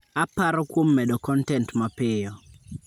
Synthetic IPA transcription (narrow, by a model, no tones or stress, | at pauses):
apaɾɔkwomːɛdɔkɔntɛntmapɪjɔ